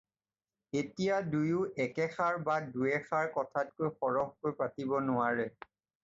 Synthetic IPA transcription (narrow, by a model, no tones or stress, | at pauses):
etijadujʊʔɛkɛxaɹbaduɛxaɹkɔtʰat̚kojxɔɹɔxkojpatibɔnʊwaɹɛ